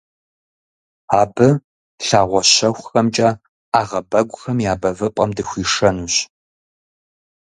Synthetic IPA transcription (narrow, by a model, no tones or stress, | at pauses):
aːbɨ | ɬaːʁʷɔɕɐxʷxɐmt͡ʃʼɐ | aːʁɐbɐɡʷʼʊxɐmjaːbɐvɨpʼɐmdɨxʷiːʂɐnuːɕ